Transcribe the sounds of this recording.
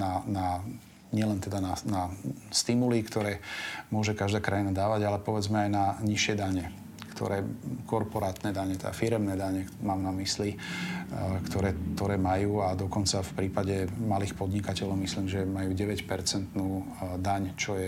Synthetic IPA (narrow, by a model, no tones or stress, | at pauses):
nana | ɲɪɛlɛnt̪ɛd̪ananast̪imulikt̪ɔɾɛːmʊɔʒɛkaʒd̪aːkɾajinad̪aːʋaɟalɛpɔʋɛd͡zmɛajnaɲiʃɪɛd̪aɲɛ | kt̪ʰɔ̰ɾɛːkɔɾpɔɾaːt̪nɛd̪aɲɛt̪ɛd̪a̰fiɾɛmnɛːd̪aɲɛmaːmnamisli | kt̪ɔɾɛːt̪ɔɾɛːmajuːad̪ɔkɔnt͡safpɾiːpaɟɛmaliːxpɔd̪ɲikacɛlɔʊmisliːmʒɛmajuːɟɛʋɛcpɛɾt͡sɛnt̪nuː | d̪aɲt͡ʃɔjɛ